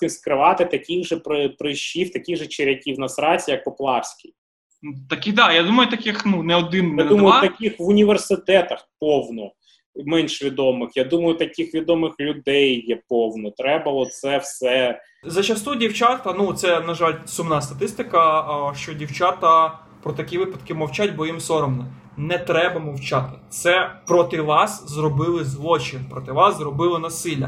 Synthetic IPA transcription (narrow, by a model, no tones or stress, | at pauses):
ɪskɾɪʋɑt̪ɪt̪ɐkʲiɣʒɛpɾɪpɾɪʃiwt̪ɐkʲiɣʒɛt͡ʃɪɾʲjɐkʲiwnɐsɾɑt͡sʲijɐk̚pɔplˠɑwsʲkʲij | t̪ɐkʲixd̪ɑjad̪umɐjʊt̪ɐkʲɪxnunɛɔd̪ɪnadumɐjʊt̪ɐkʲixʋʊnʲiʋersɪt̪ɛt̪ɐxpɔwnɔ | mɛnʲʃʋʲid̪ɔmɪxjad̪umɐjʊt̪ɐkʲixʋʲid̪ɔmɪxlʲʊd̪ɛjːɛpɔwnɔt̪ɾɛbɐɔt̪sɛwsɛ | zɐt͡ʃɐst̪udʲiwt͡ʃat̪ɐnut̪sɛnɐʒɑlʲsʊmnɑst̪ɐt̪ɪst̪ɪkɐʃt͡ʃɔdʲiwt͡ʃat̪ɐ | pɾɔt̪ɐkʲiʋɪpɐd̪kɪmɐwt͡ʃatʲbɔjimsɔɾɔmnɛ | nɛt̪ɾɛbɐmɔwt͡ʃɑt̪ɪ̥t̪sɛpɾɔt̪ɪʋɑszrɔbɪlˠɪzlˠɔt͡ʃɪnpɾɔt̪ɪʋɑszrɔbɪlˠɔnɐsɪlʲːɐ